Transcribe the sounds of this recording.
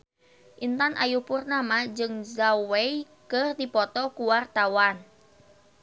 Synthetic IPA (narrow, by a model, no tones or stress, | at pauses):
ʔint̪anʔajupurnamad͡ʒɨŋzawej | kɨrd̪ipɔt̪ɔkuwart̪awan